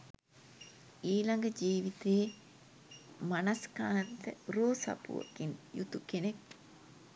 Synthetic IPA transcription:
iːlaŋɡəd͡ʒiːʋit̪eː | manɐskaːnt̪əɾoːsa̰pṵʋə̰kinjut̪ukenek̚

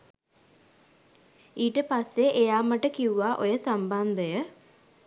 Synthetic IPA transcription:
iːʈəpasːeʔejaːmaʈəkiuʋaʔojəsamband̪əjə

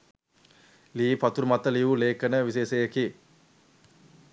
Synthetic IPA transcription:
liːpat̪uɾmat̪əliʋuleːkənəʋiseːsejəki

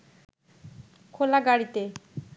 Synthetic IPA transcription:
kʰolaɡaɽit̪e

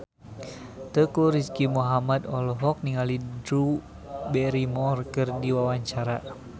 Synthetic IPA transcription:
t̪əkuɾiskimuɦamad̪ɔlɔɦɔk̚niŋalidɾu | bɛɾimɔrkɨrdiwawaɲt͡ʃaɾa

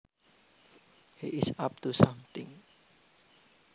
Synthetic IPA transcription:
hiʔɪsap̚t̪usamt̪ɪ̰ŋ

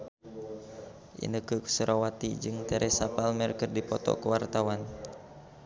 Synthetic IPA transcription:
ʔḭnəkəksəɾawat̪id͡ʒɨŋt̪ɛɾʔɛsapalmɛrkɨrdipɔt̪ɔ̰kəwart̪awan

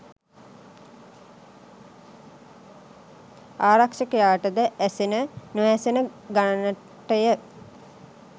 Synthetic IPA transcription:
aːɾakʂəkəjaːʈəd̪əʔæsenənuʋæsenəɡanənə | ʈəjə

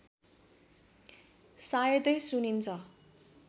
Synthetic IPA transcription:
sajʌt̪ʌjsunint͡sʰʌ

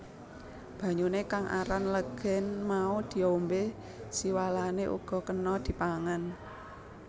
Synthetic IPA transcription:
b̥ä̤ɲunekaŋʔa̰ɾanləɡ̥ɛ̤nmaud̪̥i̤ombe | siwalaneʔṵɡ̥ɔ̤kənɔd̪̥i̤paŋan

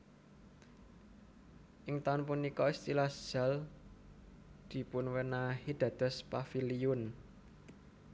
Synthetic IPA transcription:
ʔɪŋt̪aʊnpunikɔist̪ilad̥ʒ̥a̤l | d̪̥i̤pʊnwənahid̪̥ä̤d̪̥ɔ̤spafiliʊn

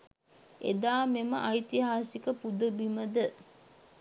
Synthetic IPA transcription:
ḛd̪aːmeməʔajt̪iɦaːsikəpud̪əbiməd̪ə

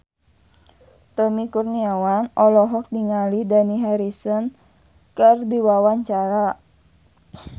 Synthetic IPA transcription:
t̪ɔmikurniawanɔlɔɦɔk̚diŋalidaniɦaɾisɔn | kərdiwawaɲt͡ʃaɾa

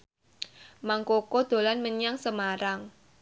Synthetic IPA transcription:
maŋkokod̪̥o̤lanməɲaŋsəmaɾaŋ

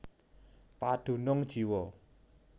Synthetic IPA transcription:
pad̪̥ṳnʊŋd̥ʒ̥i̤wɔ

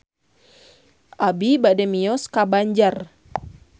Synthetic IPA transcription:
ʔabibadɛmiɔskabaɲd͡ʒar

